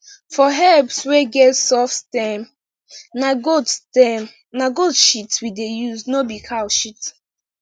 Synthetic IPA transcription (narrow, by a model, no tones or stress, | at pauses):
fɔɦɛpsweɡɛtsɔfstɛm | naɡodstɛm | naɡodʃitwidejuznobikʰaʃit